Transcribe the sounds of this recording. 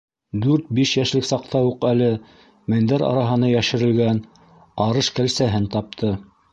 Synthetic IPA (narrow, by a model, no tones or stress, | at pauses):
d̪ʉɾt̪̚biʃjæʃlɘksɑq̚t̪ʰɑjuqælɘ | mɘ̆nd̪æɾɑ̰ɾɑɦɤ̆nɤjæʃɘ̆ɾɘ̆lɡæn | ɑɾɤʃkælsæɦɘnt̪ɑp̚t̪ʰɤ